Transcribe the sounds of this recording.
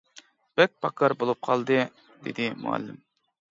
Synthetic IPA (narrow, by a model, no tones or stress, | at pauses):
b̥ɛk̚ʲpʰɑkʰɑɾbolˠup̚qʰɑlˠd̪ɨ | d̪ḛd̪ɪmṵɛ̰lːɪ̰m